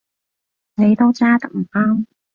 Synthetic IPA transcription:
ne˨˧jt̪o˥wt͡saː˥t̪ɐ˨˥k̚m̩˨˩paː˥ŋ

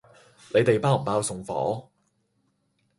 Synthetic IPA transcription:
le˨˧jt̪e˨jpaː˥wm̩˨˩paː˧˥wsʊ˨ŋfɔ̰ː˨˥

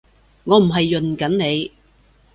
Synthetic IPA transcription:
ŋɔː˨˧m̩˨˩ɦɐ˨jːɵ˨nkɐ˨˥nne˨˧j

